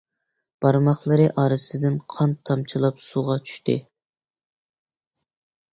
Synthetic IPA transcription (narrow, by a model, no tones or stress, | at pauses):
b̥ɑɾmɑχlˠɨɾɨʔɑːɾɨsɨd̪ɪnqʰɑnt̪ʰːɑmt͡ʃʰilˠɑpsuʁɑt͡ʃʰy̥ʃt̪ʰɪ̰